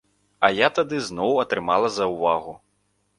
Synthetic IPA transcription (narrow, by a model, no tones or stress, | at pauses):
ɐjat̪ad̪ɨznɔwɐt̪ɾɨmalˠɐzɐwvaɣu